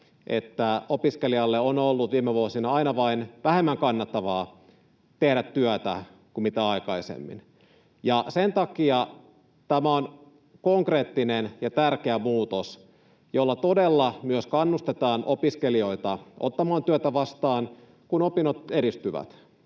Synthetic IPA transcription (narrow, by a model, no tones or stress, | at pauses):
ʔḛt̪ːæopiskeliɑlːeonolːutʋiːmeʋuosinɑɑinɑʋɑinʋæhemːæŋkɑnːɑt̪ːɑʋɑː | t̪ehdæt̪ːyœt̪æ̰ | kummit̪æɑikɑisḛmːḭn | jɑsent̪ɑkiɑ | t̪æmæon | koŋkre̞ːt̪ːinenjɑt̪ærkeæmuːt̪os | jolːɑt̪o̞delːɑmyøskɑnːust̪et̪ɑːnʔopiskelio̞it̪ɑʔot̪ːɑmɑːnt̪yøt̪æʋɑst̪ɑːn | kunopinot̪e̞ɾist̪yʋæ̰t̪